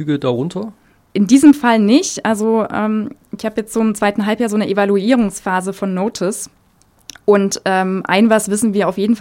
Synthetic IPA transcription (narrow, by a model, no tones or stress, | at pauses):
yːɡədaʁʊntʰɐ | ʔɪndiːzəmfalnɪçtʔalzoʔɛ̰ːmʔɪçhaːbəjɛt͡stz̥omt͡sv̥aɪtn̩ɦalpjaːzoːnəʔevaluiːʁ̞ʊŋsfaːzəfɔnːoːtʰɪs | ʔʊntʔɛːmʔa̰ɪnvasv̥ɪsn̩viːɐaʊfjeːdn̩f